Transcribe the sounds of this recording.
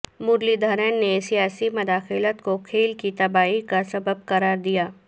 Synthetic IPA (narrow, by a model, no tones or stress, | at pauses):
mʊɾlid̪ʱɐɾənnesijaːsimɐd̪aːxɪlət̪kokʰeːlkit̪ɐbaːikasɐbəb̚qɐɾaːɾd̪ijaː